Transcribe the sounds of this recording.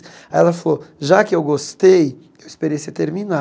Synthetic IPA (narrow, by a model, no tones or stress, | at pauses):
ɛlɐfaloʒakɪewɡost̪ej | ewɪspeɾejsɪt̪eɾmina